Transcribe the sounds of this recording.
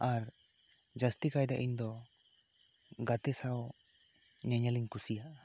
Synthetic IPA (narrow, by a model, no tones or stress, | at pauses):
aɾ | d͡ʒast̪ikajd̪aʔiɲd̪ɔ | ɡat̪ɛsaw | ɲaɲaliɲkusija